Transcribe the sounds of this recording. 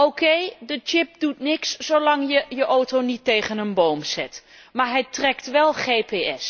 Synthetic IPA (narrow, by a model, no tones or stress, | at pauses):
owkejdət͡ʃɪp̚dutnɪksːowlɑŋjəjəʔowtownitːejχənənbowmsɛt | maːɹɦɛjtrɛktʋɛlˠχejpeɛs